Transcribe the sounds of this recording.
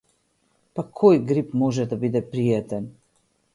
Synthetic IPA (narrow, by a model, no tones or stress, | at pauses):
pakʰɔjɡɾipmɔʒɛd̪abid̪ɛpɾiɛt̪ɛn